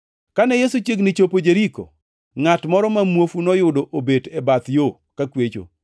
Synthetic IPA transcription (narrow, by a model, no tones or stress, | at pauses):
kanɛjesut͡ʃeɡnɪt͡ʃopod͡ʒeɾiko̰ | ŋatmɔɾɔmamwofunɔjʊdoʔobedebat̪jo | kakwet͡ʃo̰